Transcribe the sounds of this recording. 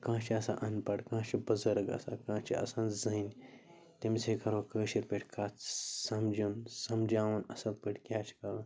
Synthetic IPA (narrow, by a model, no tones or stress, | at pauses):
kãːt͡ʃʰiɐsã̰ʔɐnpɐɽkãːt͡ʃibɐzəɾɡɐ̰sa̰kãːt͡ʃʰiɐ̰sãːnzɐnʲ | t̪imsekɐɾokəːʃiɾpeʈʰʲkʰaːt͡ssɐmd͡ʒunsɐmd͡ʒaːʋunɐsɐlpəʈʲkʲaːt͡ʃʰkɐɾɐn